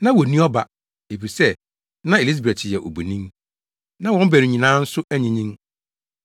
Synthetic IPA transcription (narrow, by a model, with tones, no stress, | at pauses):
nã˦wɔ˨nĩ˦ɔ˦ba˦ | e˨fi˨sɛ˦ | nã˦e˨li˦s̬bɾɛ˨tʰɪ˨jɛ˨ʔo˨bu˨nĩ˦m | nã˦wɔ̃˦m˦bæ˨ɾi˨ɲĩ˨nãː˦n̩˦sʊ˦ʔæ˦ɲĩ˦ɲĩ˦m